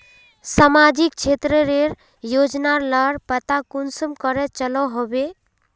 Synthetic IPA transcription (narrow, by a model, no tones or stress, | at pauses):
samad͡ʒikt͡ʃʰet̪ɾəɾeɾ | jod͡ʒnaɾləɾpət̪akunsəmkəɾɛt͡ʃəlɔɦobe